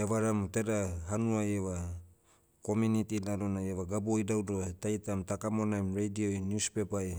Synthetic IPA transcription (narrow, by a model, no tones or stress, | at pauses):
eβaɾamteɾaɦanuajeβa | komunitilalonajeβaɡabojdawdotajtamtakamonajmɾejdiojnjuspepaj